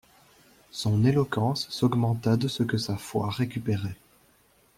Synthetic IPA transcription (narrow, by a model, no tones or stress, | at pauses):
sɔ̃nelɔkɑ̃sːɔɡmɑ̃t̪ad̪əsəkəsafwa̰ʁekʲypeʁɛ